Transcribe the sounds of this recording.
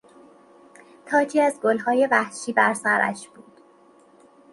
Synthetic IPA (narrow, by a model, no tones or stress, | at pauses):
t̪ʰɒːt͡ʃʰiːæzɡolɦɒːje̞væhʃiːbæɾsæɾæ̰ʃb̥uːd̪̥